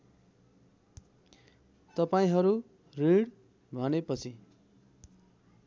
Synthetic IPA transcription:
t̪ʌpaĩɦʌɾu | riɽ | bʱʌnepʌt͡sʰi

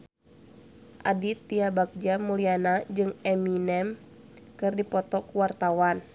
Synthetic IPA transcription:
ʔadit̪iabak̚d͡ʒamulianad͡ʒɨŋɛminɛm | kɨrdipɔt̪ɔkuwart̪awan

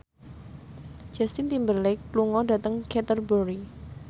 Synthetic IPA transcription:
d͡ʒ̥ast̪int̪imbərlɛkluŋɔdat̪əŋkɛt̪ərbəɾi

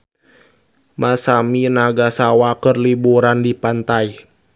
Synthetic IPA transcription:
masaminaɡasawakərlibuɾandipant̪ai

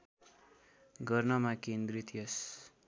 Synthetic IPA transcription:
ɡʌrnʌmakend̪rit̪jʌs

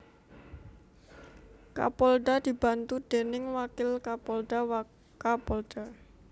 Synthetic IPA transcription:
ka̰pɔlɖad̪̥i̤b̥a̤nt̪ud̪̥e̤nɪŋwakɪlkapɔlɖ̪̥a | kapɔlɖ̥a

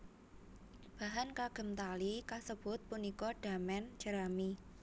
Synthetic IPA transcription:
b̥a̤ɦankaɡ̥ə̤mt̪alikasəb̥ʊ̤t̪̚punikɔɖ̥amɛnd͡ʒ̥əɾami

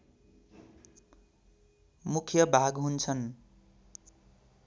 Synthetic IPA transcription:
mukʰjʌbʱaɡɦunt͡sʰʌn

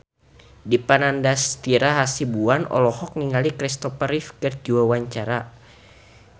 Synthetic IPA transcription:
dipanandast̪iɾaɦasibuanɔ̰lɔhɔk̚niŋalikɾist̪ɔpaɾifkɨrd͡ʒuwawaɲt͡ʃaɾa

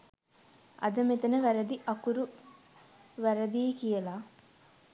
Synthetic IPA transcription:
ʔɐ̰d̪ɐmet̪ɐnəʋæɾɐd̪iʔɐkuɾu | ʋæɾɐd̪iːkijɐlaː

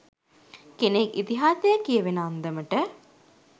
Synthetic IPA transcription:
kenekḭt̪iɦaːsəjəkijəʋenəːnd̪əməʈə

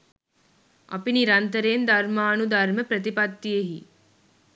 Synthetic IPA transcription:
ɐ̰piniɾant̪əɾeːnd̪ɐɾmaːnud̪aɾməpɾət̪̬ipat̪ːijeɦi

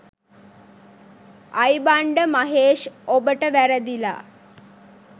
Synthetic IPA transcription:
ajbaɳɖəmɐɦeːʃobəʈəʋæɾəd̪ila̰

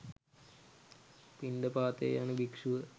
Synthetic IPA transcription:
pinɖɐpaːt̪ḛjaːnɨbikʂuʋɐ

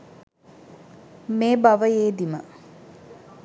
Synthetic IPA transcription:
meːbaʋəjeːd̪imə

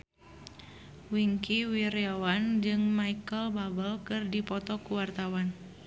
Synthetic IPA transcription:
wiŋkiwiɾiawand͡ʒɨŋmaikəlbabəlkɨrdipɔt̪ɔkuwart̪awan

